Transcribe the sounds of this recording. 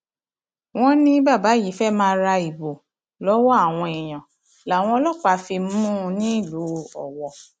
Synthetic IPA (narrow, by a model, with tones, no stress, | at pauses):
w̃ɔ̃˦nĩ˦ba˦˨ba˨˦ji˨˦fɛ˦mãː˧ɾa˧i˨bo˨ | lɔ˨˦wɔ˦a˦˨w̃ɔ̃˧e˨j̃ã˨ | la˨w̃ɔ̃˧ɔ˧lɔ˦˨k͡pa˨˦fi˧˦ũ˦˧nĩ˦i˦˨lu˨˦ɔ˨wɔ˨